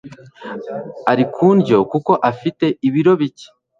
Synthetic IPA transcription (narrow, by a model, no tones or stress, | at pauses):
aɾikʰuːnɟo̞kuko̞ʔafite̞iβiɾo̞βice̥